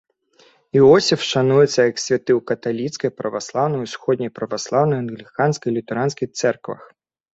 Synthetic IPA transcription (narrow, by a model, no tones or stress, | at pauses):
iɔsʲifʃanujɛt̪sʲːɐjɐksʲʋʲat̪ɪwkɐt̪alʲit̪sʲkɐjpɾɐʋaslˠɑwnɔjusxɔd̪ʲnʲijpɾɐʋaslˠɑwnɔjɐnɣlʲikansʲkɐjlʲit̪ɐɾansʲkijt̪sɛrkʋɐ̰x